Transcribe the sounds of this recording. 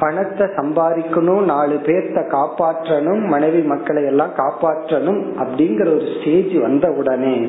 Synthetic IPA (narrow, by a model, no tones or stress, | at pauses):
pɐɳɐt̪ːɐsɐmbaːɾɪkːɯnoːnaːɭɯpeːɾt̪ɐkaːpaːʈrɐnɯmːɐnɐɪʋimɐkːɐɭɐjɛlːãːkaːpaːʈrɐnɯmɐpːɐɽɪŋɡɐɾɐɔɾɯsʈeːd͡ʒiʋɐnd̪ɐɯɽɐneː